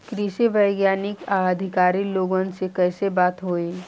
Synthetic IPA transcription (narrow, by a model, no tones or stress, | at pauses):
kɾiʃiʋɐɪɡjaːnɪkaːd̪ʱɪkaːɾiloːɡõnsekɛːsebaːt̪ɦoːiː